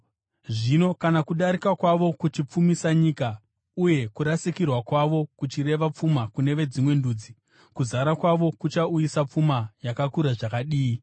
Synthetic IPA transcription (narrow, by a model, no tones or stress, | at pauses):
ʐino̞kanakuɗaɾikakwaʋo̞kut͡ʃip͡fumisaɲiːka | uje̞kuɾasikirwakwaʋo̞kut͡ʃire̞ʋap͡fumakune̞ʋe̞d͡zimwe̞nduːd͡zi | kuzaɾakwaʋo̞kut͡ʃaujisap͡fumajakakuɾaʐakaɗiːi